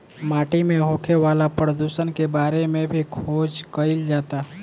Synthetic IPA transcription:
maːʈimẽɦokʰeʋaːlapɾəd̪usənkebaːɾemẽbʱikʰoːd͡ʒkəɪld͡ʒaːt̪a

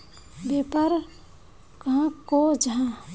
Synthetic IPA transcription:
bepəɾ | kɦãkod͡ʒəã

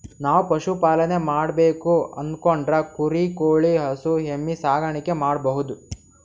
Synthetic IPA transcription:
naːʋupɐʃupaːlɐne̞maːɽbeːkuɐ̰nd̪koɳɖɾɐkuɾikoːɭiɦɐsuɦemːisaːɡɐɳikemaːɽbɐɦud̪u

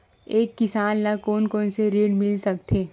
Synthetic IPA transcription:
eːkːɪsaːnːakoːnkoːnseɾiːɽmɪlsɐk̚t̪ʰeː

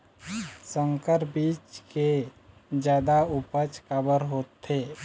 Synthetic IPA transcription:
sə̃ŋkəɾbiːt͡ʃke | d͡ʒjaːd̪aʊpət͡ʃkabəɾɦoːt̪ʰːeː

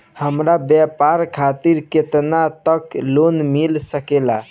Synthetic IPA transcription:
həmɾabjɛpaɾkʰat̪iɾket̪nat̪əklonmilsəkela

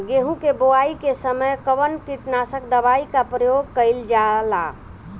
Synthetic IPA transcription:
ɡeɦũkeboaikesəməjkəʋənkiʈnasəkd̪əbaikapɾəjoɡ̚kəɪld͡ʒala

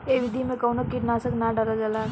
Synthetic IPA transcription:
eʋid̪ʱimẽkɐwnokiʈnaːsəknaɖəɾad͡ʒala

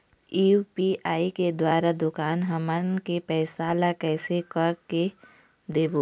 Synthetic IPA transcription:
iːupiʔaːiked̪waːɾad̪ʊkaːnɦəmənkepɛːsaːlakɛːsekɐɾke | d̪eːbo

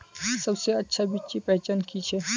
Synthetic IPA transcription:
sɐbseɐtːʃʰabitːt͡ʃipɐt͡ʃankit͡ʃʰɛ

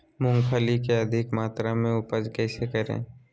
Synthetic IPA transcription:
mʊ̃ŋɡpʰəlikeɐd̪ʱɪkmaːt̪ɾamẽʊpəd͡ʒkɛːsekəɾḛ̃ː

